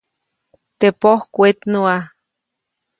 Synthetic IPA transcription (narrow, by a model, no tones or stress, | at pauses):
t̪epohkʷet̪nua